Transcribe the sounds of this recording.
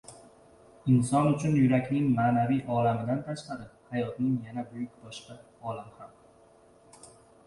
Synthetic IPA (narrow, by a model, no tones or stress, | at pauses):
ɪnsɒnʊt͡ʃʰʊnjʊɾakʲnɪŋmaːnavijʔɒlamɪd̪ant̪ʰaʃqʰaɾɪhajɒt̪nɪŋjanabʊjʊkʲbɒʃqa | ɒlamham